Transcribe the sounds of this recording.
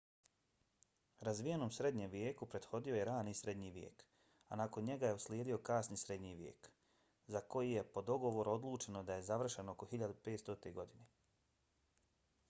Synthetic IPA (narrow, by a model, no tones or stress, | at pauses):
ɾazʋijeno̞ːmsɾe̞d̪ɲemʋjeːkupɾe̞d̪xo̞d̪io̞je̞ɾaːnisɾe̞d̪ɲiʋjḛːk | a̰nako̞nɲe̞ɡaje̞uslʲjeːd̪io̞kaːsnisɾe̞d̪ɲiʋjḛːk | zako̞jije̞po̞d̪o̞ɡo̞ʋo̞ɾuod̪lˠuːt͡ʃe̞no̞d̪aje̞zaʋr̩ʃe̞nooko̞xiʎad̪upe̞ːt̪st̪ot̪eɡo̞d̪ine